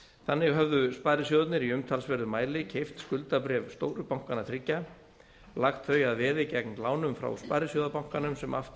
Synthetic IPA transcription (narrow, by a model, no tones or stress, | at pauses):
θanːɪɣɦœvðʏspaːjɾɪs̬ɔðat̪nɪɾiʏmt̪ʰalsvɛɾðʏmaːjlɪcʰejft̪skʏlt̪apɾɛːvst̪o̰ːwɾʏpawŋ̥kanat̪ʰɾɪcːa | laxt̪θœɥjaðvɛːðɪcɛknlaːwnʏmfɾa̰wspajɾɪsjɔːðapawŋ̥kanʏmsɛmʔa̰ft̪